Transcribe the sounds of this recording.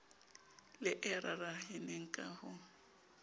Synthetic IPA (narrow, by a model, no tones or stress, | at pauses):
lɪʔɛɾarahɪneŋ̩kʼahʊ